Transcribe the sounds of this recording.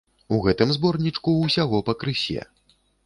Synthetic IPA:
uɣɛt̪ɨmzbɔrnʲit͡ʂkuːsʲaɣɔpɐkɾɨsʲɛ̰

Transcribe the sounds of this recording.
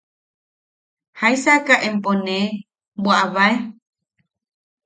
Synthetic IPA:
hajsakaʔempone | buaβae

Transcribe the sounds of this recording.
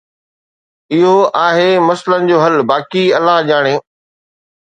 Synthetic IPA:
ɪɦoaːɦemɐslənɪ̆d͡ʑoːɦɐlbaːkiɐlaɦʄaːɽ̃ẽː

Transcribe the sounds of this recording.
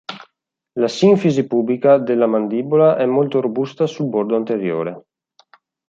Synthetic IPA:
lasiɱfizipublikad̪elːamand̪ibolaʔɛmːolt̪oɾobust̪asulboɾd̪oant̪eɾjo̰ːɾe

